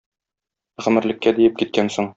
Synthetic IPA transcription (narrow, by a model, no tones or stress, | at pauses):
ʁɘ̆mɘ̆ɾlɘ̆kːæd̪ijɘp̚kit̪̚kænsoɴ